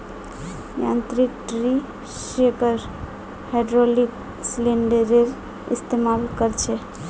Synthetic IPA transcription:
ja̰nt̪ɾik̚ʈɾi | sekəɾ | haɖɾolik | sleɳɖeɾeɾ | ḭst̪emalkəɾt͡ʃʰɛ

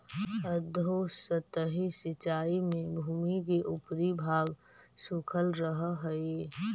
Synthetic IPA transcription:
əd̪ʱosət̪əɦisɪt͡ʃaːimẽbʱuːmik̬eʔʊpɾibʱaːɡ | suːkʰəlɾəɦɦəe

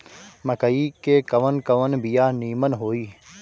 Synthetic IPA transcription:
mɐkəikekɐʋənkɐʋənbijaːniːmənɦoːiː

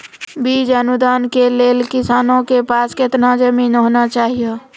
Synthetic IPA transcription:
biːd͡ʒənʊd̪aːnkeleːlkɪsaːnõkepaːskɪt̪nad͡ʒəminɦoːnat͡ʃaːɦijo

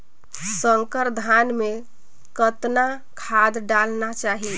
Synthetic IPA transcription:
səŋkəɾd̪ʱanme | kət̪na | kʰad̪ɖalnat͡ʃaɦi

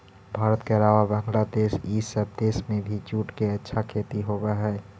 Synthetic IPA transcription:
bʱaːɾət̪keəlaːʋabə̃ŋɡlad̪eːʃiːsəb̚ʱd̪eːʃmẽbʱit͡ʃuːʈkeɐtːʃʰakʰeːt̪iɦoːbaɦɛː

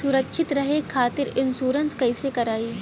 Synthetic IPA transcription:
sʊɾəkʃʰɪt̪ɾɐɦekʰaːt̪ɪɾɪnsuːɾənskɐɪsekɐɾaːiː

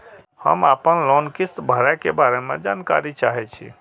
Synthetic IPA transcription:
hə̰mapənlɔnkist̪bʱəɾakebaɾemḛd͡ʒankaɾit͡ʃaɦɛt͡ʃʰḭ

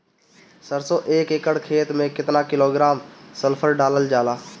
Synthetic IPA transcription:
səɾsoʔeːkekəɽkʰeːt̪mẽkɪt̪nakɪloːɡɾaːmsəlpʰəɾɖaːləld͡ʒaːlaː

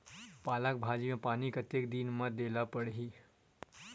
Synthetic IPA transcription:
paːlak̚bʱaːd͡ʒimẽpaːnikət̪ek̚d̪iːnmad̪elapəɽɦi

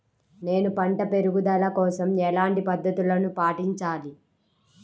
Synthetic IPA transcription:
ne̞ːnupɐɳʈɐpe̞ɾuɡud̪ɐlɐkɔːsɐmɛlaːɳʈipɐd̪ʱːɐt̪ulɐnupaːʈiɲt͡ʃaːli

